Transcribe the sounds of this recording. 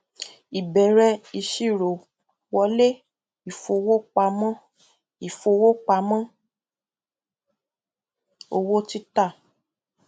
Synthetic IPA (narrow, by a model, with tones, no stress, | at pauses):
i˨bɛ˨ɾɛ˧i˧ʃi˦˨ɾo˨ | wɔ˧˦le˦ | i˨fo˧wo˦k͡pa˧mã˦ | i˨fo˧wo˦k͡pa˧mã˦ | o˧wo˦ti˦ta˦˨